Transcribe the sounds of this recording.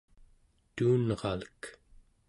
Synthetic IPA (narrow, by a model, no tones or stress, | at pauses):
t̪uːnʁɑlək